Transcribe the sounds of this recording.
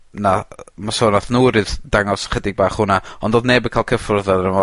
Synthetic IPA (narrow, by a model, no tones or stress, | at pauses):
namasoːnaθnuːɾɨðdaŋɔsχədɪɡ̚baːχhʊnaɔndoːdneːbəkʰaːlˠkʰəfʊrðɛðnənɔ